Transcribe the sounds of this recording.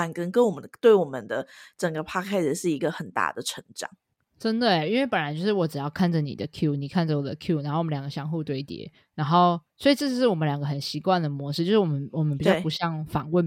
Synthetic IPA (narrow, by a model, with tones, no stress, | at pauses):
a˨˥nkə˦ŋkə˦nwɔ˨˩mə˦t̪we˥˩ɪwɔ˨˩mə˦nd̪ə˧ʈ͡ʂə˨˩ŋɡə˦pʰa˥kʰa˥ɪs̩˨˩ʂɻ̩˥˩i˧˥ɡə˧xə˨˩nt̪a̰˥˩d̪ə˩ʈ͡ʂʰə˧˥ŋʈ͡ʂɑ̰˨˩˦ŋ | ʈ͡ʂə˦˥nd̪ə˨˩i˥nwe˥˩ɪpə˨˩nɻnt͡ɕjo˥˧ʊʂɻ̩˥˩wɔ˨˥ʈ͡ʂɻ̩˨˩jɑ˥˧ʊkʰa˥˩nd͡zə˨˩nḭ˨˩d̪ə˦kʰju˥ni˨˩kʰa˥˩nd͡ʒə˨˩wɔ˨˩d̪ə̰˦kʰju˥˨na˧˥xo˥˩wljɑ˨˩ɡə˦ɕjɑ˥ŋxu˥˧t̪we˥˩ɪt̪jɛ̰˨˦ | na˧˥nŋxo˥˩ʊswɔ˧˥i˨˩ʈ͡ʂɤ˥˧˥ʂɻ̩˥˩wɔ˨mə˨˦nljɑ˨˩ŋɡə˦xə˨˩nɕi˧˥kwa˥˩nd̪ə˩mwɔ˧˦ʂɻ̩˥t͡ɕjʊʂɻwɔ˨˩mə˦nwɔ˨˩mə˦npi˨˩t͡ɕjɑ˥˧˩pu˧˦ɕjɑ˥˩ŋfɑ˨˩ŋwə˥˩n